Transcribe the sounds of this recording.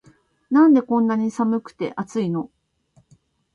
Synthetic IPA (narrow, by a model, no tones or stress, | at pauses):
nãnd̪e̞kõ̞nːaɲ̟isamɯ̟kɯ̥t̪e̞̰ʔat͡sɨino̞